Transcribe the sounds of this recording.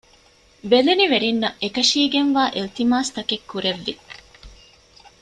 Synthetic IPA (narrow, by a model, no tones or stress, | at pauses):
beleniʋeɾinːɐekɐʃiːɡenʋaːʔilt̪imaːst̪ɐkekːuɾeʋːi